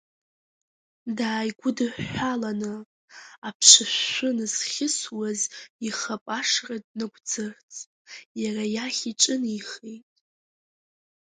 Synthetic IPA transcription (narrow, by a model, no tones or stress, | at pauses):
daːjɡʷʊdɨħʷalanɨ | apʰʂɨʃʷːʊnɨsχʲɪswaziχapʼaʂret̚ʼnɨɡʷd͡zɨrt͡sʼ | jarajaχʲiʈ͡ʂʼɨniχejtʼ